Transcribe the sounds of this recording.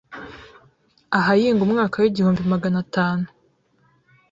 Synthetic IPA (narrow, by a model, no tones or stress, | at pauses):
aɦajiːŋɡumŋaːkawiɟihuːmbimaɡanataːnu